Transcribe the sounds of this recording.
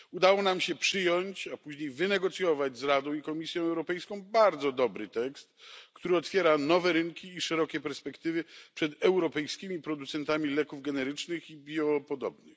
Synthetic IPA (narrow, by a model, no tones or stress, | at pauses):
ud̪awɔnamɕɛpʂɘjɔɲt͡ɕapuʑɲejvɘnɛɡɔt̪sʲjɔvad͡ʑzɾad̪ɔ̃w̃ikɔmʲisʲjɔ̃w̃ɛwɾɔpɛjskɔ̃w̃baɾd̪zɔd̪ɔbɾɘt̪ɛkst̪kt̪uɾɘɔt̪fʲjɛɾanɔvɛɾɘŋkʲiːʂɛɾɔkʲɛpɛɾspɛkt̪ɘvɘpʂɛd̪ɛwɾɔpɛjskʲimʲipɾɔd̪ut̪sɛnt̪amʲilɛkuvɡɛnɛɾɘt͡ʂnɘxibʲjɔpɔd̪ɔbnɨx